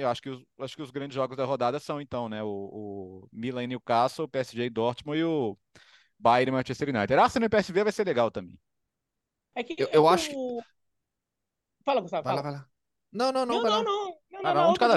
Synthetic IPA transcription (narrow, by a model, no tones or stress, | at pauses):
ewaʃʊ̥kɪʊsaʃʊ̥kɪʊzɡɾɐ̃d͡ʒɪzʒɔɡʊzd̪ɐɦod̪ad̪ɐsɐ̃w̃ẽt̪ɐ̃w̃nɛʊːmilɐ̃niwkasopeɛsɪʒed̪ɔɾt͡ʃɪmɐ̃w̃ɪʊ | bajɾẽmat͡ʃest̪eɾinajt̪eɾasẽnẽʊpeɛsɪvevajseɾleɡawt̪ɐ̃mbḛ̃j̃ | ɛkɪewewaʃʊ̥kɪ | falakõst̪avalavajla | nɐ̃w̃nɐ̃w̃nɐ̃w̃vajlãnɐ̃w̃nɐ̃w̃ããd͡ʒɪkad̪ɐ